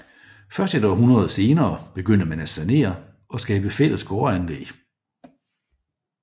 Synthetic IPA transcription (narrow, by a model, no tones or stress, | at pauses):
fɶɐsd̥ed̥ɑʋɐ̈ɦunʁɐðˠse̝ːnɐːb̥e̝ɡ̥øn̰əmænæ̥sæne̝̰ːɐ | ɒ̽sɡ̥ɛːb̥əfel̰əsɡ̥oːɐænlḛ̥ː